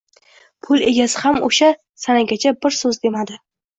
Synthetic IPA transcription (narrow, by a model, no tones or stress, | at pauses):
pʰʊlˠe̞ɡʲasɪhamoʃa | sanaɡʲat͡ʃʰabɪɾsɵzd̪e̞mad̪ɪ